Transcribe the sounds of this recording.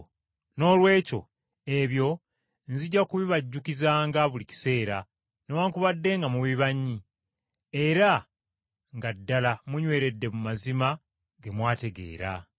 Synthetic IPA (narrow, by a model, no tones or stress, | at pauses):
no̞ːlwe̞ːco̞ | e̞βjo̞ | nziɟːakuβiβaɟːukizaːŋɡaβulici̥se̞ːɾa | newaːŋkuβadːe̞ŋɡamuβiβaɲːi | e̞ɾa | ŋɡadːalamuɲwe̞ːɾe̞dːe̞mumazima | ɡe̞mwaːte̞ɡe̞̰ːɾa̰